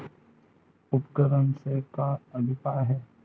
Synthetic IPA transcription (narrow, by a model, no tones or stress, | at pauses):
ʊpkəɾənsekaɐb̪ʱɪpaːɾɦɛː